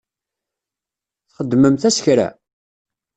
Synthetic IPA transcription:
θχəd̪ːməmθæsçɾæ̰

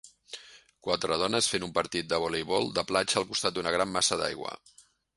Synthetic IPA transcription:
kwat̪ɾəð̞ɔnəsfenumpəɾt̪it̪̚d̪əβolejβɔlˠd̪əplat͡ʃəːlˠkust̪at̪̚d̪unəɣɾamːasəða̰jɣwə̰

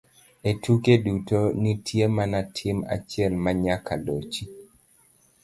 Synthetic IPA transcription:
etukedutonitʰjemanatʰɪma̰t͡ʃɪɛlmaɲakʰalot͡ʃi

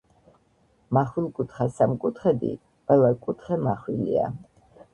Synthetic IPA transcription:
maχwilˠkʼut̪ʰχasamkʼut̪ʰχɛd̪ḭ | qʼwɛlakʼut̪ʰχɛmaχwilia̰

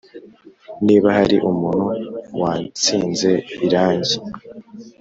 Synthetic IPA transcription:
niːβaɦaɾiʔumun̥huwaːnt͡siːnze̞iɾaːɲɟi

